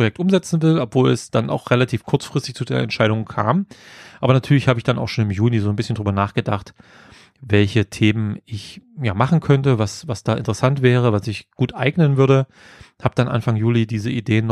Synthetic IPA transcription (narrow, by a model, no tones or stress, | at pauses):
pojɛk̚tʔʊmzɛt͡sn̩vɪlɔpv̥oːlɛsd̥anʔa̰ʊxʁelatʰiːfkʰʊɐt͡sfʁ̥ɪstɪçt͡sudeːnɛ̰ntʃaɪɾʊŋkʰa̰ːmʔaːbɐnatʰyːɐlɪçhaːbəɪçd̥anʔa̰ʊxʃoːnɪmjuːnizoːnbɪsçəndʁyːbɐnaːχɡ̥ədaχt | vɛlçətʰeːmənʔɪçjaːmaχn̩kʰœntəvasvasd̥aːʔɪ̰ntəʁəsantv̥ɛːʁ̞əvasɪçɡ̥uːtʔaɪɡnənvʏɐdə | haːb̚d̥anʔa̰nfaŋjuːlidiːzəʔideːənː